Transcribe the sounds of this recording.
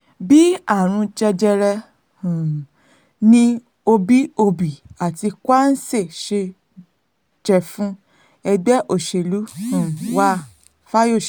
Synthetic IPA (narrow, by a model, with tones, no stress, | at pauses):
bi˦a˦˨ɾ̃ũ˧d͡ʒɛ˧d͡ʒɛ˧ɾɛ˧ | hũ˨ | nĩ˧ | o˧bi˦o˧bi˨a˨ti˧kwa˦n̩˦se˦˨ʃe˧ | d͡ʒɛ˨fũ˧ | ɛ˧ɡ͡bɛ˦ʔo˦˨ʃe˨lũ˨˦˨wa˦ | fa˦jo˦˨ʃ